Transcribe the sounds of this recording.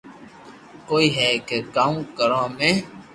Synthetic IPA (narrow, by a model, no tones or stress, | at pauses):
koːiːɦɛːkekaːũːkəɾãːmẽː